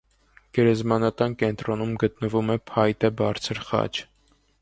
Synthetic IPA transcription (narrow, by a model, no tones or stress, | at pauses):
ɡ̥ɛɾɛzmɑnɑt̪ɑnkɛn̪t̪ɾɔnumɡət̪nəvumɛpʰɑjt̪ɛbɑɾt͡sʰəɾχɑ̰t͡ʃʰ